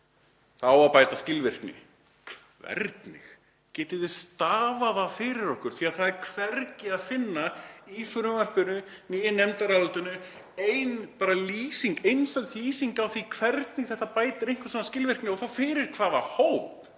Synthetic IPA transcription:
θawapaːjt̪ascɪlvɪr̥knɪ̰ | kʰ | vɛ̰ɾt̪nɪx | cɛːt̪ɪðɪst̪aːvaðafɪɾɪɾɔhkʏɾ̥θiað̥θaðɪɾkʰv̥ɛɾcɪaðfɪnːaifɾʏvar̥pɪnʏ | niːjɪnɛmt̪aɾalʏlt̪ʏnːʏ | ejnpaːɾaliːsiŋkejnst̪œlt̪liːsiŋkawθikʰvɛɾt̪nɪxθɛht̪apaːjt̪ɪɾejŋ̥kvʏsaːnascɪlvɪr̥knɪɔɣθawfɪːɾɪɾ̥kʰvaːðahowp̚

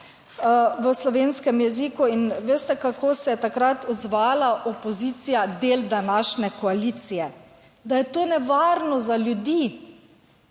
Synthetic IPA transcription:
ʋəslɔʋeːnskɛmjɛziːkuinʋeːst̪ɛkakoːsɛjɛt̪akɾat̪ɔd̪zʋaːlaʔɔpɔziːt̪sijad̪eːld̪anaʃnɛkɔaliːt̪sijɛ | d̪ajɛt̪oːnɛʋaːɾnɔzaljud̪iː

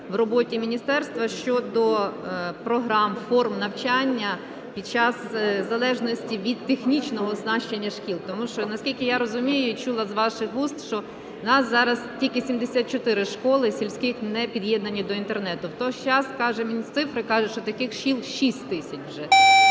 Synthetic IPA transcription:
wrɔbɔtʲimʲinʲist̪ɛrst̪ʋɐʃt͡ʃɔd̪ɔ | pɾɔɦɾɑmfɔrmnɐwt͡ʃanʲːɐ | pʲid̪̚t͡ʃɑszɐlˠɛʒnɔsʲtʲiʋʲid̪̚t̪exnʲit͡ʃnɔɦɔznɑʃt͡ʃenʲːɐʃkʲilˠt̪ɔmuʃɔnɐsʲkʲilʲkɪjaɾɔzʊmʲijʊit͡ʃulˠɐzʋɑʃɪxɦust̪ʃt͡ʃɔ | nɑszɑɾɐstʲilʲkɪsʲimd̪esʲat̪̚t͡ʃɔt̪ɪɾɪʃkɔlˠɪsʲilʲsʲkɪxnɛpʲid̪jɛd̪nɐnʲːid̪ɔint̪ernɛt̪ʊwt̪ɔt͡ʃɑskɑʒɛmʲit̪sɪfɾɪkɑʒɛʃt͡ʃɔt̪ɐkɪxʃilˠʃisʲtʲt̪ɪsʲɐt͡ʃʲwʒɛ

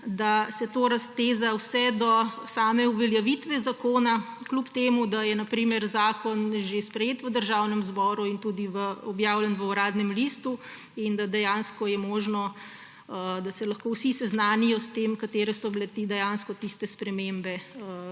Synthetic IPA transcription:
d̪asɛt̪oɾast̪eːzawsɛd̪ɔsaːmɛuʋɛljaʋit̪ʋɛzakoːnaklupt̪eːmud̪ajɛnapɾiːmɛɾzaːkɔnʒespɾɛjeːt̪ʋəd̪əɾʒawnɛmzbɔːɾuint̪uːd̪iʋəɔbjaːwlɛnʋəuɾaːd̪nɛmlist̪u | ind̪ad̪ɛjaːnskɔjɛmoːʒnɔ | d̪asɛlɐxkowsisɛznaːnijɔst̪eːmkat̪eːɾɛsɔbilɛt̪id̪ɛjanskɔt̪ist̪ɛspɾɛmembɛ

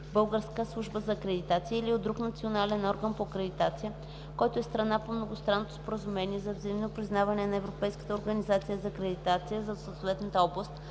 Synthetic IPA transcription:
bɤlˠɡəɾskəslˠuʒbəzɐːkɾɛd̪it̪at̪siəiliod̪d̪ɾuknɐt̪sionalɛnɔɾɡənpokɾɛd̪it̪at̪sijə | kɔjt̪oɛst̪ɾɐnapomnoɡost̪ɾanːot̪o̥spoɾəzumɛniɛzɐvzɐimnopɾiznavɐnɛnɐɛvɾopɛjskə̥t̪əoɾɡənizat̪sijəzɐkɾɛd̪it̪at̪sijəzɐsot̪vɛt̪nət̪əɔblˠəst̪

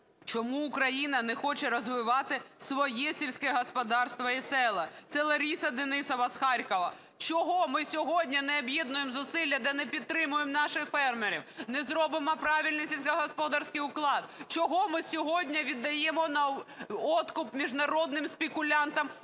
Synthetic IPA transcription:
t͡ʃɔmuːkɾɐjinɐnɛxɔt͡ʃɛɾɔzʋɪʋɑt̪ɪsʋɔjɛsʲilʲsʲkɛɦɔspɔd̪ɑrst̪ʋɔisɛlˠɐt̪sɛlˠɐɾʲisɐd̪ɪnɪsɐʋɐsxɑɾʲkɔʋɐ | t͡ʃɔɦɔmɪsʲɔɦɔdʲnʲɐnɛɐbjed̪̚nʊjemzʊsɪlʲːɐd̪ɛnɛpʲid̪̚t̪ɾɪmʊjemnɑʃɪxfɛrmeɾʲḭwnɛzɾɔbɪmɔpɾɑʋʲilʲnɪsʲilʲsʲkɐɦɔspɔd̪ɑrsʲkɪjʊklˠɑd̪t͡ʃɔɦɔmɪsʲɔɦɔdʲnʲɐʋʲid̪ːɐjɛmɔnɐɔt̪kʊpmʲiʒnɐɾɔd̪̚nɪmspʲekʊlʲɑnt̪ɐm

